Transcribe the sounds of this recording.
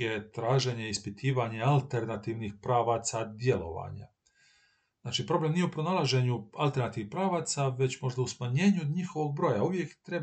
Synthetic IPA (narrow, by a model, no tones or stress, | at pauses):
et̪ɾaːʒe̞ɲeispit̪ʰiːʋaɲealˠt̪e̞ɾnat̪iːʋnixpɾaːʋat̪sad̪je̞lo̞̰ʋa̰ɲa̰ | znaːt͡ʃipɾo̞ble̞mnije̞upɾonalˠaʒe̞ɲualˠt̪eɾnat̪iixpɾaːʋaːt̪saʋe̞t͡ɕmo̞ʒd̪ausmaɲe̞ːɲuɲixo̞ʋo̞ɡ̚bɾo̞ːjauʋjekt̪ɾe̞